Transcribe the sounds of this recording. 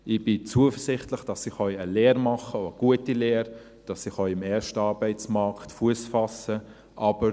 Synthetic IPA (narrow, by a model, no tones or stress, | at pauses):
ɪb̥ɪt͡suəfəɾsɪχtləχd̥ɑsɪχœʏəlɛːɾmɑχəoəɡ̥uətilɛːɾ | d̥ɑsɪχœʏɪmɛːɾʃtəɑːɾbæɪt͡smɑɾktfuəsfɑsə | ʔɑb̥əɾ